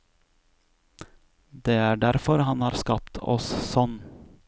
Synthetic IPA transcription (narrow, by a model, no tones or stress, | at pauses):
d̪eːæːɖæɾfɔɾhɑnhɑːɾskɑpt̪ʰɔ̰ssɔn